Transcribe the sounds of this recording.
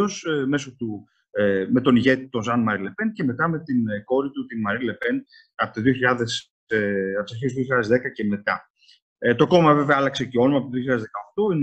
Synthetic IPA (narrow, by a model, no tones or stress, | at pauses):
osme̞sot̪u | me̞t̪o̞niʝe̞t̪it̪o̞nzɐnmɐɾile̞pe̞nce̞me̞t̪ɐme̞t̪inko̞ɾit̪ut̪inmɐɾile̞pe̞n | ɐpot̪oðioçiʎɐðes | ɐpsɐçist̪ðio̞çiʎɐðe̞zðe̞kɐce̞me̞t̪ɐ | t̪o̞ko̞mɐve̞veɐɐlɐkse̞ceo̞nomɐpot̪oðioçiʎɐðzðekɐoxt̪o̞in